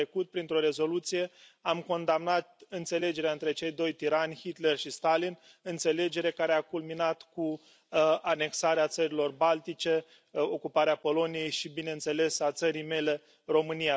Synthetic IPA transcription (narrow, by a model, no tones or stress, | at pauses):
ɾekut̪̚pɾint̪ɾo̞ɾe̞zo̞lut̪sije̞amko̞nd̪amnat̪ɨnt̪se̞le̞d͡ʒe̞ɾeaɨnt̪ɾe̞t͡ʃe̞jd̪o̞jt̪iɾanʲhit̪le̞rʃist̪alin | ɨnt̪se̞le̞d͡ʒe̞ɾe̞kaɾeakulminat̪ku | ane̞ksaɾeat̪səɾilo̞rbalt̪it͡ʃe̞ | o̞kupaɾeapo̞lo̞nije̞jʃibine̞ɨnt̪se̞le̞sat̪səɾijme̞le̞ | ro̞mɨnija